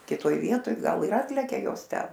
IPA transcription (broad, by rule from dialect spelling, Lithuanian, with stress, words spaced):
kʲɪˈtoːj ˈʋʲiɛtoːj ˈɡɐlˠ ɪr ˈɑːtʲlʲɛkʲɛ ˈjoːs ˈtʲɛn